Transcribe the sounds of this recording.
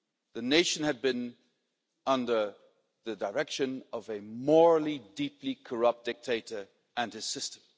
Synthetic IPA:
ðɨneɪʃɨ̃n̩ɨd̚bɨ̃n | ʌ̃ndə˞ | ðɨdə˞ɛkʃɨ̃nʌvɨmɔɹl̩ˠidiplikʰə˞ʌp̚t̚d̥ɪk̚tʰeɪɾə˞ | ɨ̃nɨz̥sɪstə̃m̩

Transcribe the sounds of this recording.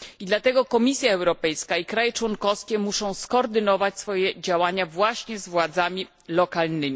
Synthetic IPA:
id̪lat̪ɛɡɔkɔmʲisʲjaɛwɾɔpɛjskaikɾajɛt͡ʂwɔŋkɔfskʲɛmuʂɔ̃w̃skɔːɾd̪ɘnɔvat͡ɕsfɔjɛd͡ʑawaɲavwaɕɲɛzvwad̪zamʲi | lɔkalnɘmʲi

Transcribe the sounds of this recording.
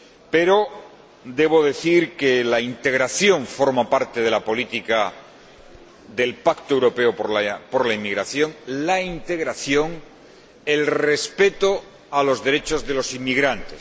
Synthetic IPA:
pe̞ɾo̞ | d̪e̞βo̞ðe̞θiɾke̞laint̪e̞ɣ̞ɾaθjo̞ɱfo̞ɾmapaɾt̪eð̞e̞lapo̞lit̪ika | ðe̞lpakt̪oewɾo̞pe̞opapo̞ɾlaimiɣɾaθjo̞ŋlaint̪e̞ɣ̞ɾaθjo̞ŋ | e̞lre̞spe̞t̪o̞ | alo̞zðe̞ɾe̞t͡ʃo̞zðe̞lo̞simːiɣɾant̪es

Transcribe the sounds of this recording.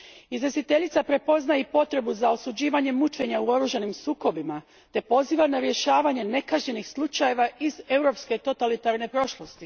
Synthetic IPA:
izʋesit̪e̞ʎit̪sapɾe̞po̞znajepo̞t̪ɾe̞buzao̞sud͡ʑiːʋaɲe̞mut͡ʃe̞ɲauo̞ɾuːʒanimsuːko̞bima | t̪e̞po̞ziːʋanaɾje̞ʃaːʋaɲe̞ne̞kaʒɲe̞nixslˠut͡ʃaje̞ʋaʔize̞uwɾo̞pske̞t̪o̞t̪alit̪aɾne̞pɾo̞ʃlo̞st̪i

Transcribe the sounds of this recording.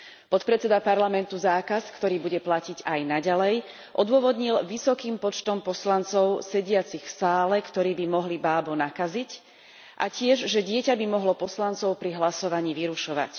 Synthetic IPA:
pɔt̪pɾɛt͡sɛd̪apaɾlamɛnt̪uzaːkaskt̪ɔɾiːbuɟɛplaciɟajnaɟalɛj | ʔɔd̪ʊɔʋɔd̪ɲilʋisɔkiːmpɔt͡ʃt̪ɔmpɔslant͡sɔʊsɛɟɪat͡sixfsaːlɛkt̪ɔɾiːbimɔɦlibaːbɔnakazic | ʔa̰cɪɛʒʒɛɟɪɛcabimɔɦlɔpɔslant͡sɔʊpɾiɦlasɔʋaɲiːʋiɾuʃɔʋa̰c

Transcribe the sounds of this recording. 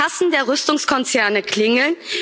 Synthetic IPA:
asn̩deːɐʁʏstʊŋskʰɔnt͡sɛɐnəkl̥ɪŋl̩n

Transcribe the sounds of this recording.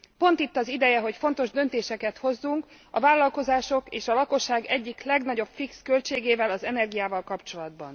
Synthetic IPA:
po̞nt̪it̪ːɒzid̪ɛjɛɦo̞cfo̞n̪t̪o̞ʒd̪ø̞nt̪eːʃɛkɛt̪ho̞zːuŋk | ɒvaːlːɒlko̞zaːʃo̞keːʃɒlɒko̞ʃːaːɡɛɟːiklɛɡnɒɟo̞pfikskø̞lt͡ʃeːɡeːvɛlɒzɛnɛrɡijaːvɒlkɒpt͡ʃo̞lɒd̪bɒ̰n

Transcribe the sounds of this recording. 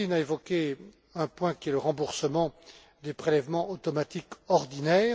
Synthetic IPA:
inaevɔkʲe | ɛ̃pwɛ̃kʲiɛləʁɑ̃buʁsəmɑ̃ | d̪epχelɛvmɑ̃ot̪ɔmat̪ikɔʁd̪inɛː

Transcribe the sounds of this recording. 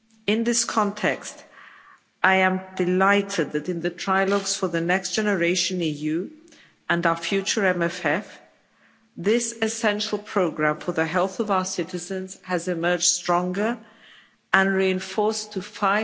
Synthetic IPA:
ɪ̃nðɪskʰɑ̃ntʰɛkst | aɪɨ̃mdɨlaɪɾɨd̪̚ðɨɾɨ̃nðɨtʰɹ̥aɪlˠɔɡz̥fə˞ðɨnɛksd̥ʒ̥ɛnə˞eɪʃɨ̃nijʉ | ə̃naʊə˞fjʉt͡ʃə˞ɛ̃mɛfɛf | ðɪsɨsɛ̃nʃl̩ˠpʰɹ̥oʊɡɹæ̃ɱfə˞ðɨɦɛlˠθʌvaʊə˞sɪɾɨzɨ̃nz̥ɨzɨmɜ˞d͡ʒ̥stɹ̥ɔ̃ŋɡə˞ | ə̃nɹiɨ̃nfɔɹstʰɨfaɪ

